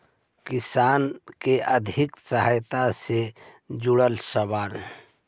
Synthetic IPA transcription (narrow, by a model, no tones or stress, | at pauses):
kisaːnkeʔəd̪ʱɪksəɦajt̪ase | d͡ʒuɽəlsəbaːɾ